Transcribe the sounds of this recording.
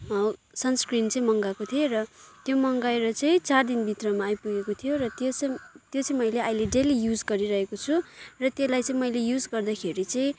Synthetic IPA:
sʌnskrint͡sʌĩmʌŋɡakot̪ʰierʌt̪jomʌŋɡaeɾʌt͡sʌ̃ĩt͡sard̪inbʱit̪rʌmaːjpuɡekot̪ʰijorʌt̪ot͡st̪jot͡sʌ̃ĩmʌjleajleɖelijud͡zɡʌɾiɾʌɦekot͡sʰurʌt̪elajt͡sʌ̃ĩmʌjlejud͡zɡʌrd̪akʰeɾit͡sʌ̃ĩ

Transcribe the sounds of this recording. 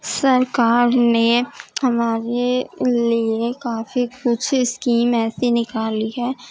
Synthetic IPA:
sɐɾkaːɾnehɐmaːɾeliekaːfikʊt͡ʃʰɪskiːmɛːsenɪkaːliɦɛː

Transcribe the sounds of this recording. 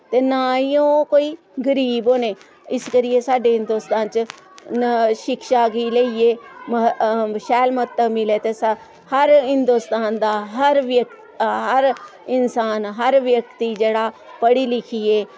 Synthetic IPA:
t̪eːnaːiõːkoːiː | ɡəɾiːboːneː | ɪskəɾɪjeːsaːɖeːɦɪ̃nd̪oːst̪aːnt͡ʃ | ʃɪkʃaːɡiːləieːmʃɛːlmət̪ːəbmɪleːt̪eːs | həɾɦɪnd̪oːst̪aːnd̪aːɦəɾʋək | ɦəɾɪnsaːnɦəɾʋjəkt̪iːd͡ʒeːɽaːpəɽiːlɪkʰiːeː

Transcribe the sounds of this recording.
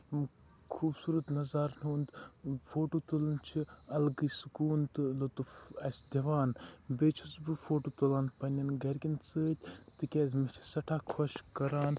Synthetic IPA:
m | kʰuːbsuːɾɐt̪nɐzaɾnuːnd̪foːʈoːt̪ulɐnt͡ʃʰiɐlɡɨsɨkuːnt̪ɨlot̪ufɐsʲd̪ʲɐʋaːnbeːt͡ʃʰusbɨfoːʈoːt̪ulaːnpɐnʲɐnɡɐɾɡʲint͡sɨːt̪ʲt̪ɨkʲeːzʲmɐt͡ʃʰi̥sɐʈʰaːkʰoʃkɐɾaːn

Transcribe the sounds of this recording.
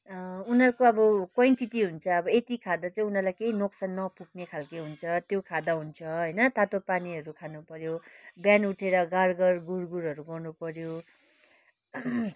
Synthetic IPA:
unʌɾkoʌbʌkwajɳʈiʈiɦunt͡sʰʌːbʌet̪ikʰad̪at͡sʌĩunʌrlajkeinoksanːʌpuk̚ʰnekʰalkeɦunt͡sʰʌt̪jokʰad̪aɦunt͡sʰʌɦʌjnʌt̪at̪opaniɦʌɾukʰanupʌɾjobjanuʈʰeɾʌɡarɡʌrɡurɡuɾɦʌɾuɡʌrnupʌɾjo

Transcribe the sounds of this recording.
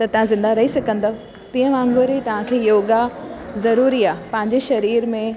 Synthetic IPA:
t̪ɐt̪ɐʋ̤ãzɪ̃nd̪aɾɐɦisɐkʰə̃nd̪o | t̪ĩːɦə̃mãːŋɡoɾit̪ɐʋ̤ãkʰeːjoːɡazɐɾuːɾiaːpɐ̃ɦɪ̃ɲd͡ʑeʃɐɾiːɾmẽ

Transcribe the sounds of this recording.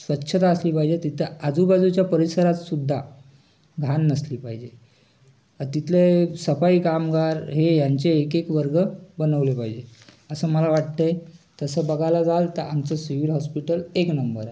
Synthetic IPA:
sʋətːɕʰət̪aəsliːpaɦid͡ʑet̪it̪ʰead͡zubad͡zut͡ɕjapəɾisəɾat̪sud̪ʱːa | ɡʱanːəsliːpaɦid͡ʑe | əɾt̪it̪ʰlesəfaiːkamɡaɾɦejaɲt͡ɕeːkekʋəɾɡəbənəʋlepaɦid͡ʑe | əsəːməlaʋaʈ̚t̪əjt̪əsəːbəɡʱalad͡zʱalt̪əɾʔa̰mt͡səsiʋilɦɔspiʈəleknəmbəɾa

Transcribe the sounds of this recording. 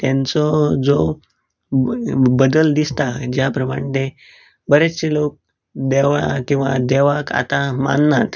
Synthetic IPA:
t̪jãnt͡sɔd͡zo | bəd̪əld̪ist̪ad͡ʑjapɾəma̰ɽ̃t̪e | bəɾet͡ɕelok̚ | d̪eʋkĩw̃ʋa̰d̪eʋaka̰t̪ama̰nːat̪

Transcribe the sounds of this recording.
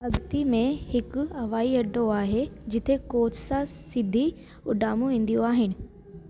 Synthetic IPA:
ɐɡt̪imẽhɪkʊɐʋaːiɐɖʱoaːɦed͡ʑɪt̪ʰekoːtsãsɪd̪ʱi | ʊɖaːmõʋẽːn̆d̪ijoaːɦɪnɪ̆

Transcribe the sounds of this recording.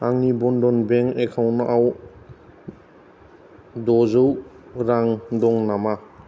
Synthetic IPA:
aŋnibɔndɔnbeŋekʰawnɔʔaw | dɔzɯw | ɾaŋdɔŋnama

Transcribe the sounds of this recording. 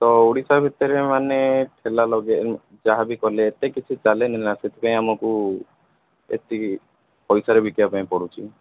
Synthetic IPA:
t̪ɔuɽisabʱit̪ɔɾemaneʈʰelalɔɡe | d͡ʒaɦabikɔleːt̪ekit͡ʃʰit͡ʃalenilaset̪ʰi̥paĩamɔku | ḛt̪i | pɔjsaɾebʱikjapaĩpɔɽut͡ʃʰi

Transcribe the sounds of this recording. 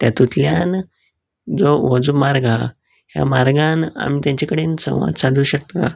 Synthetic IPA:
t̪jat̪ut̪ljan | d͡zoʋod͡zumaɾɡʱa | hja̰maɾɡana̰miːt̪jãɲt͡ɕakəɽensə̰̃w̃ʋa̰d̪sãd̪ʱuːɕək̚t̪a̰

